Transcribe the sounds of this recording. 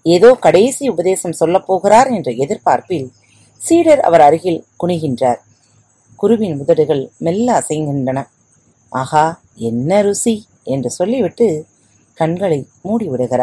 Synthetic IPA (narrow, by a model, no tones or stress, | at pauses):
eːðoːkɐɽɐːsiʊbɐðeːsɐmsɔlːɐpːoːɣɪɾaːɾɛndrɐɛðɪɾpaːɾpɪl | siːɽɐɾɐ̰ʋɐɾɐɾɯɣɪlkʊɳɪɣɪndraːɾ | kʊɾʊʋɪnʊðɐɽɯɣɐɭmɛlːɐːsɐjnŋɡ̪ɪndrɐnɐ | ʔaːɣaː | ɛnːɐɾʊsi | ɛndrɯsɔlːiʋɪʈːɯ | kɐɳɡɐɭɐɪ | muːɽiʋɪɽɐɣɪɾa̰ːɾ